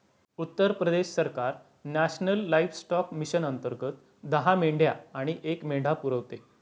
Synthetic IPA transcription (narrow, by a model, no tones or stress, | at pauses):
ut̪ːəɾpɾəd̪eɕsəɾkaɾ | næɕnəlːaifsʈɔkmiɕənənt̪əɾɡət̪̚ | d̪əɦameɳɖʱjaaɽ̃iʔekmeɳɖʱapuɾəʋt̪e